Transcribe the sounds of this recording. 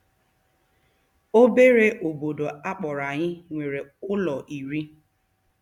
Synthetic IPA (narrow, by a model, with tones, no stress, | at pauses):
o˦be˦ɾe˦ʔo˨bo˨do˨a˦k͡pɔ˨ɾa˨ɲɪ˦ŋʷe˨ɾe˨ʊ˦lɔ˨ʔi˨ɾi˦